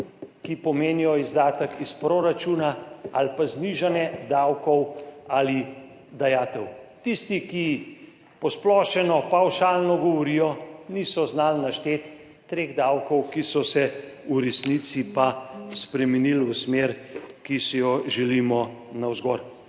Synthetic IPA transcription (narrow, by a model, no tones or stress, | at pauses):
kipɔmeːnijɔizd̪aːt̪əkispɾoːɾat͡ʃuːnaalpazniʒanjɛd̪awkɔwali | d̪ajaːt̪ɛwt̪ist̪iki | pɔsplɔːʃɛnɔpawʃaːlnɔɡɔʋɔɾijɔnisɔznaːlnaʃt̪eːt̪ː | ɾeːɣd̪awkɔwkisɔsɛuɾɛsnit̪sipaspɾɛmɛniːlusmeɾkisijɔʒɛlimɔ | nawzɡɔɾ